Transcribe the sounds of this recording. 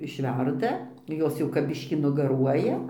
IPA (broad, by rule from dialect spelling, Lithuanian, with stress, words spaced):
ɪʃʲˈʋʲɛrdɐ ˈjoːs jɛʊ kɐp ˈbʲɪʃʲkʲiː nʊɡɐˈruɔjɛ